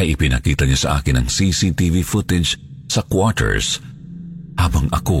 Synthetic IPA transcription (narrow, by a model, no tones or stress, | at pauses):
ʔɐjʔɪpɪnɐkiːt̪ɐɲasɐʔa̰ːkɪnɐŋsisit̪ivifʊt̪ɪd͡ʒsɐkwɔt̪ʰɛ̰ɹs | haːbɐŋɐ̰ko